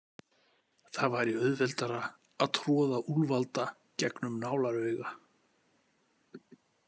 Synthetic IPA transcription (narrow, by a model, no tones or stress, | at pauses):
θavaɾiœðvɛlt̪aɾaː | ðt̪ʰɾɔːðaʔulvalt̪a | cɛknʏmnaːwlaɾœɥɣa